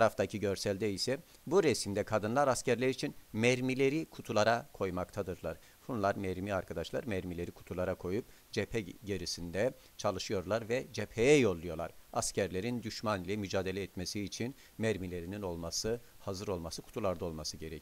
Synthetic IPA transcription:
t̪ʰaɾaft̪ʰacʰiɟø̞ɾsælʲd̪ɛisɛ | buɾɛsimd̪ɛkʰad̪ɯnlˠaɾascʰæɾlʲæɾit͡ʃʰinmɛɾmilʲe̞ɾikʰut̪ʰulˠaɾakʰo̞jmakt̪ʰad̪ɯɾlˠaɾ̥ | bunlˠaɾmɛɾmiaɾkʰad̪aʃlˠa̰ɾmæɾmilʲe̞ɾikʰu̥t̪ʰulˠaɾakʰo̞jup | d͡ʒepʰɛɟeɾisind̪ɛ | t͡ʃʰalˠɯʃɯjo̞ɾlˠaɾvɛd͡ʒepʰejɛjo̞lˠːujo̞lˠa̰ɾ̥ascʰæɾlʲe̞ɾind̪yʃmanilʲɛmyd͡ʒaːd̪eɛɛt̪mesiːt͡ʃʰin | mæɾmilʲe̞ɾinino̞lˠmasɯhazɯɾo̞lˠmasɯkʰu̥t̪ʰulˠaɾd̪ao̞lˠmasɯɟe̞ɾɛcʰi

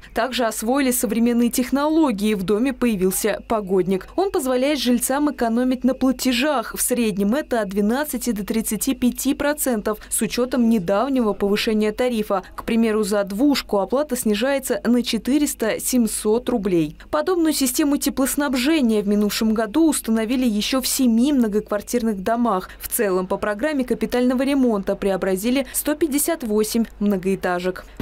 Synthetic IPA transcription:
t̪aɡʐɨɐsvo̞jɪlʲɪsəvɾʲɪmʲe̞nːɨjtʲɪxnɐlˠo̞ɡʲɪɪvd̪o̞mʲɪpəjɪvʲilˠsʲəpɐɡo̞dʲnʲɪko̞npəzvɐlʲæjɪt̪ʐɨlʲt̪samɨkɐn̪o̞mʲɪtʲnəplˠətʲɪʐaxfsɾʲedʲnʲɪmɛt̪əɐt̪̚d̪vʲɪn̪at̪sɨtʲɪd̪ət̪ɾʲɪt̪sɨtʲipʲɪtʲipɾɐt̪sɛnt̪əfsʊt͡ɕo̞t̪əmnʲɪd̪avnʲɪvəpəvɨʂɛnʲɪjət̪ɐɾʲifəkpɾʲɪmʲe̞ɾʊzɐd̪vuʂkʊɐplˠat̪əsʲnʲɪʐajɪt̪sənət͡ɕɪt̪ɨɾʲɪst̪əsʲɪmʲso̞t̪rʊblʲejpɐd̪o̞bnʊjʊsʲɪsʲtʲe̞mʊtʲɪplˠəsn̪ɐbʐɛnʲɪjəvmʲɪnufʂɨmɡɐd̪uːst̪ənɐvʲilʲɪjɪɕːo̞fsʲɪmʲimnəɡəkvɐrtʲirnɨɣd̪ɐmaxft̪sɛlˠəmpəpɾɐɡɾamʲːɪkəpʲɪt̪alʲnəvəɾʲɪmo̞nt̪əpɾʲɪɐbɾɐzʲilʲɪst̪o̞pʲɪdʲːɪsʲat̪vosʲɪmʲmnəɡəɪt̪aʐɨk

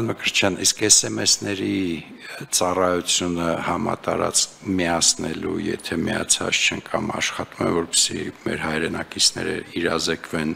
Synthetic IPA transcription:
nməkəɾt͡ʃʰjɑniskɛsɛmɛsnɛɾi | t͡sɑrɑjut͡sʰjunəhɑmɑ̰t̪ɑɾɑt͡skʰmiɑsnɛlujɛ̰t̪ʰɛmiɑt͡sʰɑt͡st͡ʃʰɛŋkʰɑmɑʃχɑt̪umɛvɔɾpə̥simɛɾɦɑjɾɛnɑkit͡sʰnɛ̰ɾə̰iɾɑzɛkʰvɛn

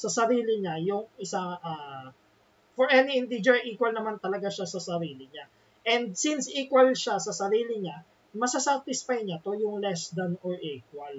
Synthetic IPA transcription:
sɐsɐɾiːlɪɲajʊŋɪsaʔa | fɔɹʔɛniɪ̃nd̪ɪd͡ʒɛɹʔiːkwɐlnɐmant̪ɐlɐɡaʃasɐsɐɾiːlɪɲa | ʔɛnd̪̚sinsʔiːkwɐlʃasɐsɐɾiːlɪɲa | mɐsasawθɪspejnɲat̪ojʊŋlɛsd̪ɐnɔɹʔiːkwɐl

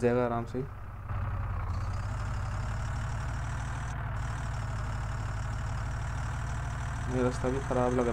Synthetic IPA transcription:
d͡ʒaɡaɾaːmsəi | meɾəst̪abʱikʰəɾaːbləɡɾ

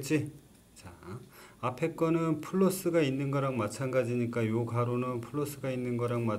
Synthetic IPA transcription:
t͡ɕ͈i | t͡ɕa | apʰe̞k͈ʌnɯnpʰuɭːos͈ɯɡainːɯnɡʌɾaŋmat͡ɕʰanɡad͡ʑiɲik͈ajoɡaɾonɯnpʰuɭːos͈ɯɡainːɯnɡʌɾaŋma

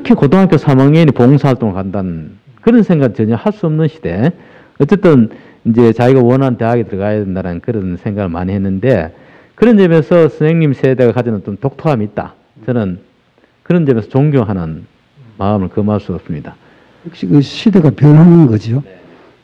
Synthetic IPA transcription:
kʰekotʰoŋɦak̬͈ʲjosʰamaŋeinipoŋsʰaɦaɭt͈oŋɭkandanɯn | kɯɾʌnsʰeŋɡaɡiɭt͡ɕʌɲʌhaɭs͈uʌmnɯnɕʰi̥d̥e̞ | ʌtt͡ɕ͈e̞t͈ɯn | ind͡ʑe̞t͡ɕaiɡawʌnɦante̞ɦaɡetɯɾʌɡajadendaɾanɯnkɯɾʌnsʰe̞ŋɡaɡɯɭma̰ɲihe̞nːɯnde̞ | kɯɾʌnt͡ɕʌmjensʰʌsʰɯneŋɲimsʰe̞de̞ɡakad͡ʑinɯnt͡ɕomtok̚tʰoɦamiːt̚t͈a̰ | t͡ɕʌnɯn | kɯɾʌnt͡ɕʌmjesʰʌt͡ɕoŋɡjoɦanɯn | mamɯɭkʌmaɭs͈uʌps͈ɯmɲida | kɕikɯɕʰid̪eɡapjʌnɦanɯnɡʌd͡ʑio

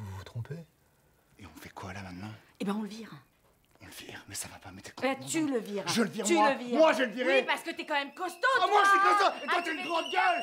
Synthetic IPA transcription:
uvut̪χɔ̃pe | eɔ̃fɛkʰwalamɛ̃d̪nɛ̃ | ebɛ̃ɔ̃ləviʁ | ɔ̃ləviʁmɛsavapamɛt̪ɛ̥kat̪yləviʁʒələviʁtyləvimwaʒeləviʁepaʁsə̥kət̪yɛkɑ̃mɛmkɔst̪omwaʃikɔ̃st̪ɔ̃ewãt̪ɛnɡʁɑ̃d̪̚ɡʲœl

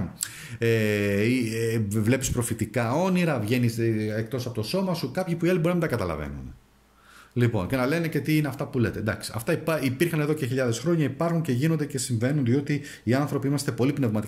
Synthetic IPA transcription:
eivle̞pispɾo̞fit̪ikɐo̞niɾɐvʝe̞nisekt̪o̞sɐpot̪o̞so̞mɐsukɐpçipuiɐlibɾinɐmid̪ɐkɐt̪ɐlɐ̰vḛnṵne | lipo̞̰nce̞nɐle̞nece̞t̪iineɐft̪ɐpule̞t̪e̞d̪ɐksi̥ɐ̰ft̪ɐipipiɾxɐne̞ðo̞ce̞çiʎɐðe̞sxɾo̞ɲɐipɐɾxuɲce̞ʝino̞nd̪ece̞siɱve̞nunðio̞t̪iː | ɐnθɾo̞piimɐst̪e̞po̞lipne̞vmɐt̪i

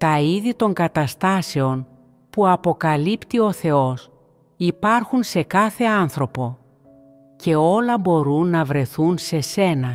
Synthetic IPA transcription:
t̪ɐiðit̪o̞ŋɡɐt̪ɐst̪ɐse̞o̞n | puɐpo̞kɐlipt̪io̞θe̞o̞s | ipɐɾxunse̞kɐθe̞ɐnθɾo̞po̞ | ce̞o̞lɐbo̞ɾunːɐvɾe̞θunse̞se̞nɐ

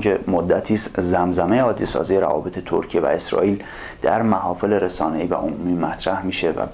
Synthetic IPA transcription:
kʰe̞mod̪ːæt̪ʰiːszæmzæmejeɒːd̪ːisɒ̰ːziːjeɾæ̰vɒ̰ːbe̞t̪ʰe̞t̪ʰo̰ɾcʰievæ̰e̞sɾɒ̰ːiːl | d̪̥æɾmæhɒːfe̞le̞ɾe̞sɒːne̞iːvæ̰ʔomumiːmæt̪ʰɾæhmiːʃe̞væ̰

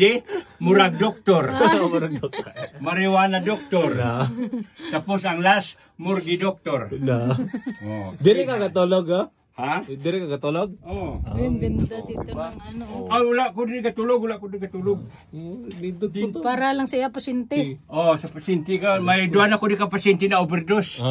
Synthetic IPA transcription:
imuɾaɡ̚dɔk̚t̪ɔrmuɾaɡ̚k̪̚maɾiwanadɔk̚t̪ɔr | t̪apusaŋlas | murɡidɔk̚t̪ɔrnao̰diɾikaɡat̪olɔɡa | had̪iɾikaɡat̪oloɡ̚o | nd̪iŋanaulaʔkudiɾikat̪ulʊɡulaʔkudrikat̪ulʊɡ̚ | dit̪ud̪paɾalaŋsiapasint̪eosapasint̪ikamajduanakudikapasint̪inaubɛrdos

